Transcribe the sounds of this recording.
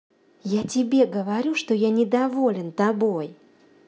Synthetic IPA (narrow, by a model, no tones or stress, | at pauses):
jatʲɪbʲeɡəvɐɾʲuʂt̪ojanʲɪd̪ɐvo̞lʲɪnt̪ɐbo̞j